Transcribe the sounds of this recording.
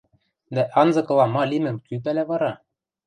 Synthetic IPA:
d̪æʔɑnzɤ̆kɤ̆lˠɑmɑlʲimɘ̆mkyp̬ælʲæβɑɾɑ

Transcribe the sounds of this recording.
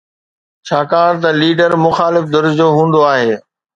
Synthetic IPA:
t͡ɕʰaːkaːɽ̃t̪ɐliːɖəɾmʊxaːlɪfd̪ʊɾd͡ʑoːɦũːn̆d̪oaːɦeː

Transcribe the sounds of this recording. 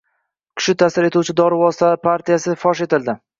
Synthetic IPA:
kʲʰʊ̥ʃɪt̪ʰasɪɾe̞t̪uwt͡ʃʰɪd̪ɒɾɪvɒsɪ̥t̪ʰalaɾpʰaɾt̪ʰijasɪfɒʃe̞t̪ɪld̪ɪ

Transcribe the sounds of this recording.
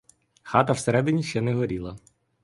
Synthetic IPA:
xɑt̪ɐwseɾɛd̪ɪnʲiʃt͡ʃɛnɛɦɔɾʲilˠɐ

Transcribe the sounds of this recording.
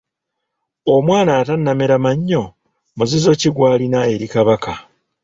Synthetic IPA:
omwaːnaːtanːameɾamaɲːo̞ | muzizo̞ciɡwaːlinae̞ɾikaβaka

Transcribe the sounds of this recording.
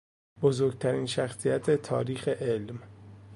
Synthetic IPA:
bozoːɾɡt̪ʰæɾiːnʃæxsijæt̪ʰe̞t̪ʰɒ̰ːɾiːxe̞ʔelm

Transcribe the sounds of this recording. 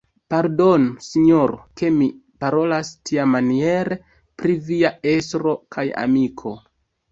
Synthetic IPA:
paɾdo̞nusiɲoɾoke̞mipaɾo̞lastʰiamanie̞ɾe̞ | pɾiviae̞sɾo̞kʰaja̰mikʰo̞

